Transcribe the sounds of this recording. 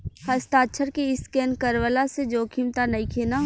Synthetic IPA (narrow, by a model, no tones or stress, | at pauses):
hɐst̪aːʃʰəɾkeɪskɛːnkəɾʋəlased͡ʒoːkʰimt̪anɐĩkʰeːnaɦ